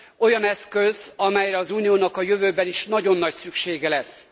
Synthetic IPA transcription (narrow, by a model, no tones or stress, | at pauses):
o̞jɒnɛskøzɒmɛjrɛɒzuːnijoːnɒkɒjøvøːbɛniʃnɒɟo̞nːɒcsykʃeːɡɛlɛs